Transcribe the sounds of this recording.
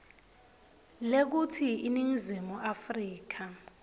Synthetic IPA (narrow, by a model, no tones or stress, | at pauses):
lek̬utʰiiniŋizimuʔafriːk̬ʰa